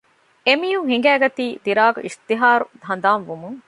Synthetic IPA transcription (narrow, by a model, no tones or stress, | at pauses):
emijuɦiŋ̆ɡæːɡɐt̪iːd̪iɾaːɡṵʔist̪iɦaːɾud̪ʱɐnd̪aːnʋumuŋ